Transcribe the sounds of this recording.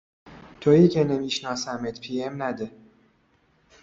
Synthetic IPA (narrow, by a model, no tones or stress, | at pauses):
t̪ʰoiːcʰenemiːʃnɒːsæmet̪pʰiːemnæd̪e